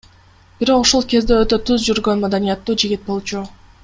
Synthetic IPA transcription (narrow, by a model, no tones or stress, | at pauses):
b̥iɾo̞qoʃolˠke̞zd̪eøt̪ø̞t̪yzd͡ʒyɾɡø̞nmad̪anijat̪ːuːd͡ʒiɡʲit̪̚bo̞lˠt͡ʃu